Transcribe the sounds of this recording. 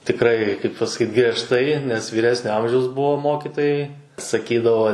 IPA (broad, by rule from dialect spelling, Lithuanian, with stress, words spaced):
tʲɪkˈrɐɪ kɐɪp pɐsɐˈkʲiːt ɡrʲiɛʃˈtɐɪ nʲɛs ʋʲiːˈrʲæːsʲnʲoː ˈɐmʲʒʲɛʊs ˈbuɔ ˈmoːkʲɪtoːjɛɪ sɐˈkʲiːdɐʋoː